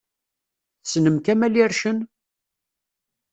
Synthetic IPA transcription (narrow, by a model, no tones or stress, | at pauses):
θsnəmkæmæliɾʃən